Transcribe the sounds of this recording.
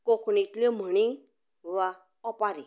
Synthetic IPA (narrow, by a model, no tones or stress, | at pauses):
koknit̪ljɔm̤əɳ̃i | ʋa | ɔpaɾi